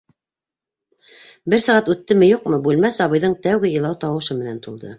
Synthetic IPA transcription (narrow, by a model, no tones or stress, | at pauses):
bɘɾsɑʁɑt̪ʉt̪ːɘmɘjuqmɤbʉlmæsɑβɤ̆jðɤɴt̪æwɡɘjɤ̆lˠɑwt̪ɑwɤ̆ʃɤmɘ̆næ̰nt̪ulˠd̪ɤ̰